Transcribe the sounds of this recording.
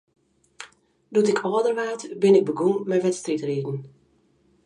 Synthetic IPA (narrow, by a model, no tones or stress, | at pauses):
dutɪkʰɔːdərʋaːtbɪnɪɡ̚bəɡuŋmɛjʋɛtstritriːdn̩